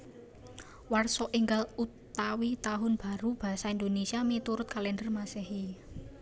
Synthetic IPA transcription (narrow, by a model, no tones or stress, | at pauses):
warsɔʔiŋɡalut̪awit̪aɦʊnb̥a̤ɾub̥a̤saind̪onesiamit̪uɾʊt̪̚kalɛndərmaseɦi